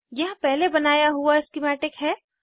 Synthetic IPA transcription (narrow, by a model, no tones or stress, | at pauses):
jɐɦpɛɦlebɐnaːjaɦuaɪskɪmɛːʈɪkɦɛː